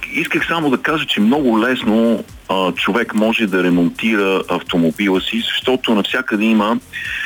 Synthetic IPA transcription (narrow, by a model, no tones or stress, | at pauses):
iskəxsamod̪ɐkaʒət͡ʃɛmnɔɡʊlɛsno | t͡ʃovɛkmɔʒɛd̪ɐɾɛmont̪iɾəɐft̪omobilˠəsizɐʃt̪ɔt̪ʊnɐfsʲjakəd̪ɛimə